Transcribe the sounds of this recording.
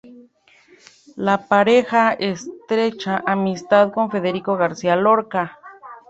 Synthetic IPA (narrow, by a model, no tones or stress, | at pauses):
lapaɾexaest̪ɾet͡ʃaʔamist̪aðkoɱfeðeɾikoɣaɾsialoɾka